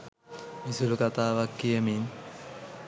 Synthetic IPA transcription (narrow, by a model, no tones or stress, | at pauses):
misulukat̪aːʋakːijəmin